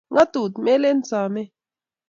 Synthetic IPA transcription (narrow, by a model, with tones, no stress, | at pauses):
ŋa˦t̪u˨t̪mɛ˦lɛ˦n˦t͡sa˨mɛ˦